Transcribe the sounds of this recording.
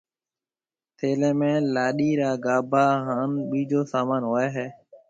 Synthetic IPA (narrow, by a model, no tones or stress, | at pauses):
t̪ʰeːlẽːmẽːlaːɗiːɾaːɡaːbʱaːɦãːnɓiːd͡ʒoːsaːmaːnɦoːeːɦeː